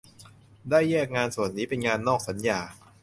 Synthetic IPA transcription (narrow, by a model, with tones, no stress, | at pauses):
daː˥˩jːɛː˥˩k̚ŋaː˧nsu˨˩ənːiː˦˥pe˧nŋaː˧nːɔː˥˩k̚sa˩˦njaː˧